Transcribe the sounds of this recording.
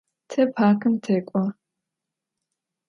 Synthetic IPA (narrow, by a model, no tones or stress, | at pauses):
tʰɐpʰaːkʰɨmtʰeːkʷʼɔ